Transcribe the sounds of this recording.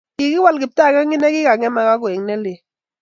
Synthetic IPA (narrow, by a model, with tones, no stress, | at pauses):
kɪ˨kɪ˦wa˦lkɪ˨p̚ta˦˨ka˦ŋɪ˦nɛ˦kɪ˦ka˨ŋɛ˦ma˨ka˦kʊ˨ɛ˨ŋnɛ˦le˨